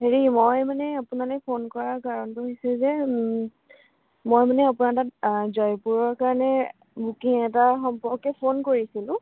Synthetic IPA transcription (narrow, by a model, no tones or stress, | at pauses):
ɦeɹimojmanɛapunalɛpʰonkɔɹakaɹɔntuɦojsɛzɛ | mojmanɛapʊnatat̚zɔjpuɹɔɹkaɹɔnɛ | bukiŋɛtaxɔmpɔɹkɛpʰonkoɹisilʊ̃